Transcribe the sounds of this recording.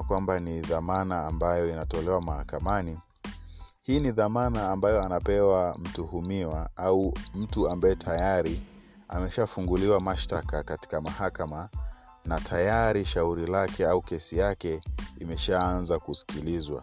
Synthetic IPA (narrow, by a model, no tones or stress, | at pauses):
kwambaniðamanaːmbajɔinatɔlɛwamahakamani | hiːniðamanaːmbajɔanapɛwam̩tuhumiwaaum̩tuambajɛtʰajaɾi | a̰mɛʃafuŋɡuliwamaʃtakakati̥kamahakama | natʰajaɾiʃauɾilakɛaukɛsijakɛimɛʃaːnzakusi̥kilizwa̰